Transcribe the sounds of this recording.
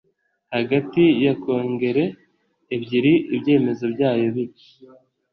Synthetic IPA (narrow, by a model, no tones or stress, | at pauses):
haɡatijako̞ːŋɡe̞ɾe̞ː | bɟiɾiʔibje̞ːme̞zo̞bjaːjo̞βi